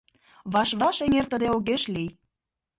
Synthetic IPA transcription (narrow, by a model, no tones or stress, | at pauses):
βɑʃβɑʃeŋert̪ə̆d̪eoɣeʃlij